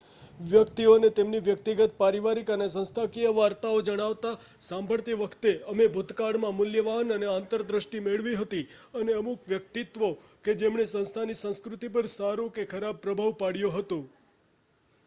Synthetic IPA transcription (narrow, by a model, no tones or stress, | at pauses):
ʋjəkt̪ionet̪emniʋjəkt̪iɡət̪̚paɾiʋaɾikənes̬ə̃nst̪ʰakiəʋaɾt̪aod͡ʒəɽ̃aʋt̪a | sãmbʱəɭt̪iʋəkʰt̪eəmebʱʊt̪kaɽmãmʊljəʋanəneant̪əɾd̪ɾəʃʈimeɭʋiɦət̪iəneəmukʋjək̚t̪it̪ʋo | ked͡ʒemɳesə̃nst̪ʰanisə̃ñskɾut̪ipəɾsaɾũkekʰəɾab̚pːɾəbʱaʋpaɽjoɦət̪õ